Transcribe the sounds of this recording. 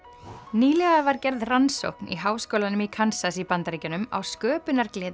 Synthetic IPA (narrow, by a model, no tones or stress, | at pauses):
niːlɛɣavaɾcɛɾðranso̰whknḭɦaːwskowlanʏmikʰansasipant̪aɾiːcʏnʏma̰wskœːpʏnaɾklɛːð